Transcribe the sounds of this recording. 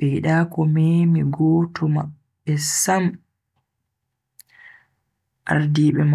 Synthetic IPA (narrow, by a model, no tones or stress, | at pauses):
ɛɗaːkɔmemiɡɔːtɔmaː | ɛsam | ʔa̰ɾdiːɓɛm